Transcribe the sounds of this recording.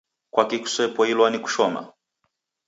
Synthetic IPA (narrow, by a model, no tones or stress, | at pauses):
kwakiku̥sɛpɔilwaniku̥ʃɔma̰